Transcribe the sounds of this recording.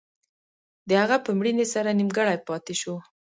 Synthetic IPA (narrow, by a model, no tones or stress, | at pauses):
d̪əhaɣapəmɽinesaɾanimɡəɽajpɑt̪eʃo